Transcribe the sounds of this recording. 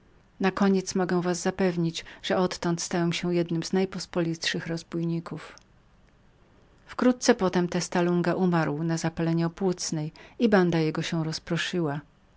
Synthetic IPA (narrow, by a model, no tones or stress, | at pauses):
nakɔɲɛt̪smɔɡɛw̃vazːapɛvɲid͡ʑʐ̥ɛɔt̪ːɔnt̪st̪awɛmɕɛ̃jɛd̪nɘmznajpɔspɔlʲit̪ʂɘxɾɔzbujɲikuf | fkɾut̪̚t̪sɛpɔt̪ɛmt̪ɛst̪aluŋɡaʔumaɾwnazapalɛɲɛɔpwut̪snɛjiband̪ajɛɡɔɕɛw̃ɾɔspɾɔʂɘwa